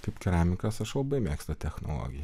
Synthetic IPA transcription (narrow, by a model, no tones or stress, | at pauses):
t̪ipkɛɾaːmikɑsɒʃobemɛkst̪ɛt̪ɛxno̰lo̰ːɡija